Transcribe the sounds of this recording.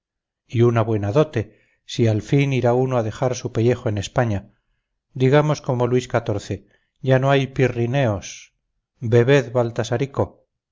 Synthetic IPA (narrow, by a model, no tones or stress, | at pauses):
iunaβwe̞naðo̞t̪e̞ | sialfiniɾaunoaðe̞xaɾsupeʎe̞xoene̞spaɲa | d̪iɣamo̞sko̞mo̞lwiskat̪o̞ɾθe̞ | ʝanoajpirine̞o̞s | be̞βe̞ðβalt̪asaɾiko̞